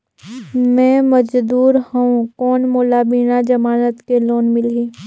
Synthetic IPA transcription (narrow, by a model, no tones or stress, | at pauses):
mɛ̃ːmɐd͡ʒd̪uːɾhɐũkɔːnmoːlabiːnad͡ʒɐmaːnət̪keloːnmɪlɦiː